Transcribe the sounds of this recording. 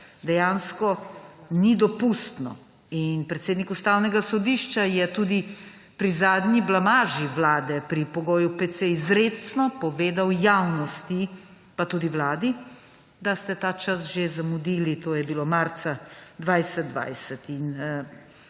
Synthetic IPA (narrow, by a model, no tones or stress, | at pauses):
d̪ɛjaːnskɔnid̪ɔpust̪nɔ̰ | inpɾɛt̪seːd̪nikust̪awnɛɡasɔd̪iʃt͡ʃajɛt̪ud̪i | pɾizaːd̪ɲiblamaːʒiʋlaːd̪ɛpɾipɔɡoːjupɛt̪sɛizɾeːsnɔpɔʋeːd̪awjawnɔst̪i | pat̪uːd̪iwlaːd̪i | d̪ast̪ɛt̪aːt͡ʃas̬ʒezamud̪iːlit̪oːjɛbilomaɾt̪sad̪ʋajsɛt̪̚d̪ʋa̰jsɛt̪in